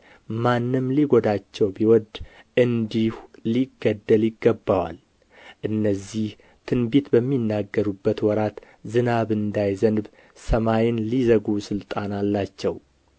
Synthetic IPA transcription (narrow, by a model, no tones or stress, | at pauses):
manːɨmliɡod̪at͡ʃːɛwbiwɔd̪ | ʔɨnd̪ihliɡːəd̪ːəljɪɡːəbːawa̰l | ʔɨnːəzːih | t̪ʰɨnbit̪bəmːinːaɡːəɾubːət̪wɔɾat̪ | zɨnaβɨnd̪ajzənb | səmajɪnlizəɡusɨlt̪ʼanalːat͡ʃːɛw